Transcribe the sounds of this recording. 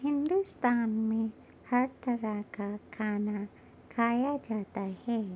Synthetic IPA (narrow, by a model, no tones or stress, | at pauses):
hind̪ust̪anmi | haɾt̪əɾakakʰana | kʰajad͡ʒat̪ajhe